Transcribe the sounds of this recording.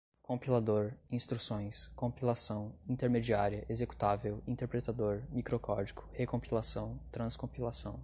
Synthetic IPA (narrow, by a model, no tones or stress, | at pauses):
kõpilad̪oɾĩst̪ɾusõj̃skõpilasɐ̃w̃ĩt̪eɾmed͡ʒiaɾiɐʔezeku̥t̪avewĩnt̪eɾpɾet̪ad̪oɾmikɾokɔd͡ʒikʰʊ̥hekõpilasɐ̃w̃t̪ɾɐ̃skõpilasɐ̃w̃